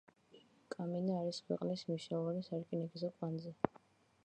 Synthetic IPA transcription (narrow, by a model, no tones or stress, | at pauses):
kʼaminaaɾiskʰwɛ̰qʼnismiʃaɔvanisaɾkʼinɛkizɔkʼwanzɛ